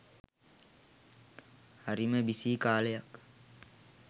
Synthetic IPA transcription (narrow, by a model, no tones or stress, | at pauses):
haɾiməbisiːkaːləjak